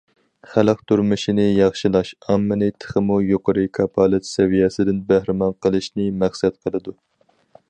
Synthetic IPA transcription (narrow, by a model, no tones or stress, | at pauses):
χælˠəq̚t̪ʰuɾmɨʃinɪjɑχʃilˠɑʃɑmːɨnɨt̪ʰə̥χəmujoqʰəɾɨkʰɑpʰɑlˠɨt̪sɛvijɛsɪd̪ɪnbæhɾɪmɑnqəlˠɨʃnɪmæχsɛt̪qʰəlˠɨd̪u